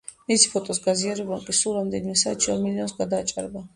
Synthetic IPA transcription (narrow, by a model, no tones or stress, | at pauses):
misi̥pʰɔt̪ʼɔsɡaziaɾɛblˠaŋkʼisulˠɾamd̪ɛnimɛsaːt̪t͡ʃʰia̰ɾmiliɔnsɡad̪aːt͡ʃʼa̰ɾɛba